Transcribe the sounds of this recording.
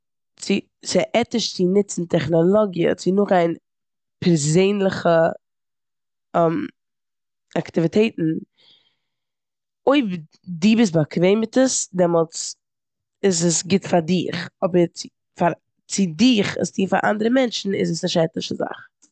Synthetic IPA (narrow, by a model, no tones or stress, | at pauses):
t͡sɪ | sɪʔɛtɪʃt͡sɪnɪt͡sn̩tʰɛχnɔlˠɔɡiə̰t͡sɪnʊχaɪn | pʰɛɾzeɪnlˠəχə | ɛm | aktivitʰeɪtn̩ | oɪb | diːbɪs̬bakʰveɪmɪtəsdɛmɔlˠt͡s | ɪzəsɡɪtfaɾdɪχɔbəɾt͡sɪ | faɾ | t͡sɪdɪχɪ̰stiːfa̰ɾʔa̰ndəɾəmɛnt͡ʃn̩ɪzəsnɪʃɛtɪʃəza̰χ